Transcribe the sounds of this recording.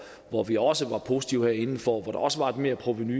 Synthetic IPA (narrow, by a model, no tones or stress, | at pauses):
ʋɒʋiɒ̽səʋɑ̈pʰo̝si̥t͡sʰiʊheɐ̰e̝nn̩fɒʋɒd̥ɑ̈ɒ̽səʋɑ̈e̝d̥me̝ɐpʰʁo̝ʋiny